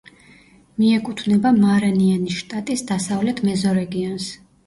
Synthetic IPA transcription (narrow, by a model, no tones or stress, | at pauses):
miɛkʼut̪ʰvnɛbamaɾanianiʃt̪ʼat̪ʼisd̪asavlɛt̪ʰmɛzɔɾɛɡiɔns